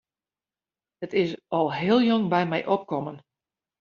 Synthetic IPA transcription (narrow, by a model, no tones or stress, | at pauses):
ətɪsɔlˠɦɪəlˠjoŋbɛjmɛjʔɔp̚kɔmən